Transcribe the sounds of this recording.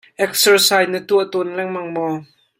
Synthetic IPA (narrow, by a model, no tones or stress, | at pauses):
ʔɛk̚sərsajnət̪uət̪ɔnlɛŋmɐŋmɔ